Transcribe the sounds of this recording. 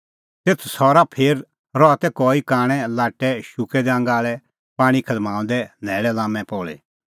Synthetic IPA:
t̪eːt̪ʰsɔːɾapʰeːɾ | ɾɔat̪ɛkɔːikaːɽ̃ɛ̃laːʈːɛʃʊkɛd̪ɛɐ̃ŋɡaːɭɛ | paːɽ̃ikʰɐd̪mãːũnd̪ɛnɛːɭɛlãːmɛ̃pɔːɭɛ̰

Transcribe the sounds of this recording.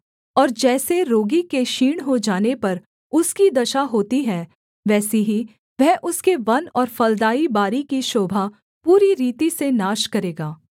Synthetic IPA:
ɔːɾd͡ʒɛːseɾoːɡikeʃiːɽ̃ɦod͡ʒaːnepɐɾ | ʊskid̪ɐʃaɦoːt̪iɦɛ̃ | ʋɛːseɦi | ʋɛɦʔʊskeʋɐnɔːɾfɐld̪aːibaːɾikiʃoːbʱa | puːɾiɾiːt̪isenaːʃkɐɾeːɡaː

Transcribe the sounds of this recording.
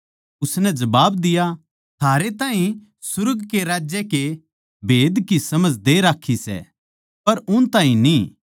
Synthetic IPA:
ʊsnɛd͡ʒɐbaːbd̪ɪja | t̪ʰaːɾet̪aːɦĩ | sʊɾɡkeɾaːd͡ʒjɛke | bʱeːd̪kisɐməd͡ʒd̪eɾaːkʰːisɛ̰ | pɐɾʊnt̪aːɦĩniː

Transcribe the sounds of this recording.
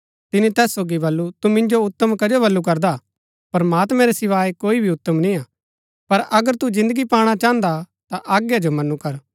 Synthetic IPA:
t̪ɪnit̪ɛːsːoːɡibɐlːut̪umɪ̃nd͡ʒoʊt̪ːəmkɐd͡ʒobɐlːuk̬ɐɾd̪a | pɾɐmaːt̪mɛ̃ɾesɪʋaːikoːibʱiʊt̪ːəmnĩaː | pɐɾɐɡəɾt̪ud͡ʒɪ̃nd̪əɡipaːɽ̃at͡ʃãːə̃nd̪a | t̪aʔaːɡjad͡ʒomɐnukɐɾ

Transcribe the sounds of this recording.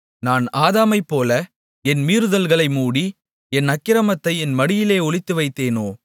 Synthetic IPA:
naːnaːðaːmɐɪpːoːlɐ | ɛnmiːɾɯðɐlɣɐɭɐɪmuːɽi | ɛnɐkːɪɾɐmɐt̪ːɐɪɛnmɐɽɪjɪleːɔɭɪt̪ːɯʋɐɪt̪ːeːnoː

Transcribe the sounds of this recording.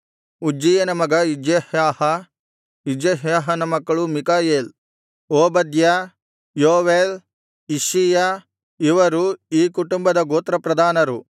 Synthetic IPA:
ud͡ʒijɐnɐmɐɡɐid͡ʒjehjaːhɐ | id͡ʒeɦjaːɦɐnɐmɐkːɐɭumikaːjeːl | oːbɐd̪jɐ | joːʋeːl | iʃija | iʋɐɾuiːkuʈumbɐd̪ɐɡoːt̪ɾɐpɾɐd̪ʱaːnɐɾu

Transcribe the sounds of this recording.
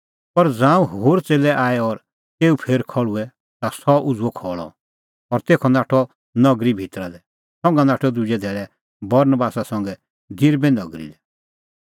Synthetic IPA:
pɐɾd͡zãːũɦoːɾt͡seːlɛʔaːɛɔɾ | t̪eːupʰeːɾkʰɔɭuɛ | t̪asɔʔʊd͡zuɔkʰɔːɭɔ̰ | ɔɾt̪eːkʰɔnaːʈʰɔ | nɐɡɾibʱit̪ɾad̪ɛ | sɔ̃ŋɡãnaːʈʰɔd̪ʊd͡ʒɛd̪ʱɛːɭɛ | bɐɾnəbaːsasɐ̃ŋɡɛ | d̪ɪɾbɛ̃nɔɡɾḭd̪ɛ

